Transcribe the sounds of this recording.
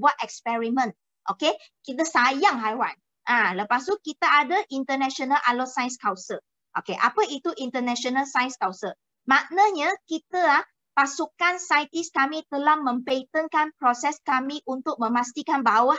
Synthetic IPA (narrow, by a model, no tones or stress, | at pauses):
buat̪̚ɛkspɛɹimə̃n | ʔoke | kit̪əsajaŋɦajwan | ʔãləpast̪ukit̪aadəʔint̪ənɛ̃ʃonalʔalosajskawsə | ʔokeʔapəit̪uʔint̪ənɛ̃ʃonəlsajskawsə | maʔnəɲakit̪əlah | pasukansajt̪iskamit̪əlahmə̃mpet̪ənkanpɾɔsɛskamiʔunt̪ʊk̚mə̃mast̪ikanbawa